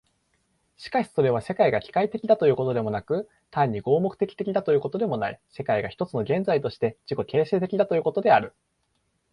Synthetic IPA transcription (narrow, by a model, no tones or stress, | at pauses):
ɕi̥kaɕi̥so̞ɾe̞β̞ase̞kaiɡakʲi̥kait̪e̞kʲid̪at̪o̞j̟ːko̞t̪o̞d̪e̞mo̞nakɯ̟ | t̪ãɲ̟ːiɡo̞ːmo̞kɯ̟̥t̪e̞kʲi̥t̪e̞kʲid̪at̪ojɯ̟ːko̞t̪o̞d̪e̞mo̞naḭse̞kaiɡaçi̥t̪o̞t͡sɨno̞ɡẽ̞nd͡zait̪o̞ɕi̥t̪e̞d͡ʑiko̞kʲe̞ːseːt̪e̞kʲid̪at̪o̞jɯːko̞t̪o̞d̪e̞aɾɯ̟